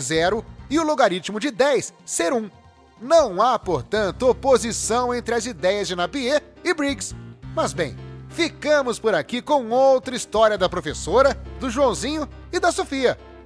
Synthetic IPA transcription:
zɛɾʊɪʊloɡaɾit͡ʃimʊd͡ʒɪd̪ɛjsːeɾũ | nɐ̃w̃apoɾt̪ɐ̃nt̪ʊopozisɐ̃w̃ẽnt̪ɾɪɐzid̪ɛjɐzd͡ʒɪnapie | ɪbɾiɡsmɐzbẽj̃fikɐ̃mʊspoɾakikõw̃owt̪ɾɐist̪ɔɾiɐd̪ɐpɾofesoɾɐd̪ʊʒuɐ̃w̃zĩɲʊ | ɪd̪ɐsofiɐ

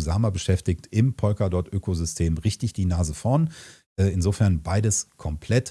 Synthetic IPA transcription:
zaːmabəʃɛftɪktʔɪmpʰɔlkadɔɐtʔøːkozʏstʰeːmʁɪçtɪçd̥iːnaːzəfɔɐn | ʔɛːɪnzoːfɛɐnbaɪdəskʰɔmpʰl̥ɛt

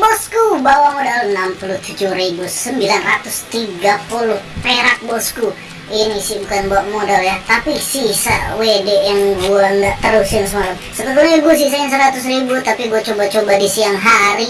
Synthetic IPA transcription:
bɔskubawamodalənampulut̪ud͡ʒuhɾibusəmbilanrat̪ʊst̪iɡapulʊhpeɾak̚bɔsku | inisɪhbukanbawaʔmodaljat̪apisisa̰wedeʔjaŋɡuaəŋɡaʔt̪əɾʊsaŋsəmalamsət̪ət̪unɲiaɡuasisainisəɾat̪ʊsribut̪apiɡuat͡ʃobat͡ʃobadisiaŋɦaɾi

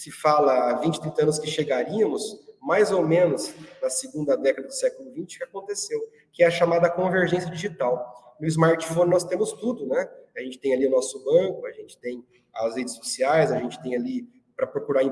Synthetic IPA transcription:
sɪfalɐːvĩnt͡ʃɪt̪ɾĩnt̪ɐɐ̃nʊskɪʃeɡaɾiɐmʊsmajzowmẽnʊznɐsɪɡũnd̪ɐd̪ɛkɐd̪ɐd̪ʊsɛkʊlʊvĩnt͡ʃɪ̥kɪakõnt̪esew | kɪɛɐʃamad̪ɐkõveɾʒẽs̬jɐd͡ʒiʒit̪awnʊɪizmaɾt͡ʃi̥fõnnɔst̪ẽmʊst̪ud̪ʊnɛaʒẽnt͡ʃɪ̥t̪ẽj̃aliʊnɔsʊbɐ̃kʊɐʒẽnt͡ʃɪ̥t̪ẽj̃ | ɐshed͡ʒɪsosiajzɐʒẽnt͡ʃɪ̥t̪ẽj̃ali | pɾɐpɾokuɾaĩ

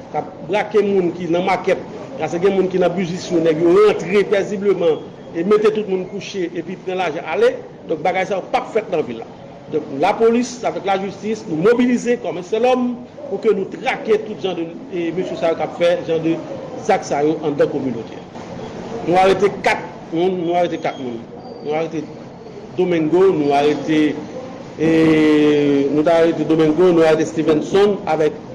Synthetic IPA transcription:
kap̚bʁakemũnkinɐ̃makɛt̪̚ɡaseɡɛ̃mũnkinɐ̃byzisjonɛkjoʁãt̪ʁepeziblømã | emetet̪ut̪̚mũnkuʃeʔepipʁãlaʒãʔale | d̪ɔ̃k̚baɡajsajopapfɛt̪̚nɐ̃vilːa̰ | d̪ɔ̃k̚lapolisavɛklaʒystisnũmobilizekɔmɛ̃sɛlɔm | pukønũt̪ʁaket̪ut̪ʒãdə | møsysajokapfɛʒɑ̃d̪əzaksajoʔãd̪ãkomynot̪ʰḛa̰ | nũaʁetekat̪̚ | mũnːũaɣetekat̪̚mũnː | ũaɣete | d̪omɛ̃ŋɡonũaɣet̪e | nũtaɣeted̪omɛ̃ŋɡonũaetest̪ifɛ̃nsɔ̃na̰vɛk̚

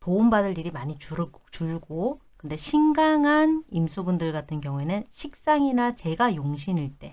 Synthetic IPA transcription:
toumbadɯʎːiɾimaɲit͡ɕuɾɯt͡ɕuɭɡokɯnde̞ɕʰiŋɡaŋɦanimsʰubundɯɭɡatʰɯnkjʌŋue̞nɯnɕʰik̚s͈aŋinat͡ɕe̞ɡajoŋɕʰiniɭt͈e̞

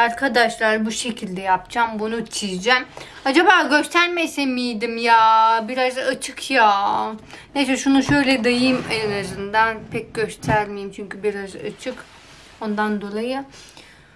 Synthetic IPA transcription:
aɾkʰad̪aʃlˠaɾbuʃe̞cʰilʲd̪ɛjapd͡ʒambunut͡ʃʰijd͡ʒɛm | ad͡ʒabaːɟøst̪ʰæɾmesemijd̪imjabiɾazat͡ʃʰɯkʰja | nesɛʃunuʃø̞jlʲɛd̪ajɯmeɾazɯnd̪anpʰɛc̚ɟø̞st̪ʰæɾmejimt͡ʃʰyɲcybiɾaza̰t͡ʃʰɯk | o̞nd̪and̪o̞lˠajɯ

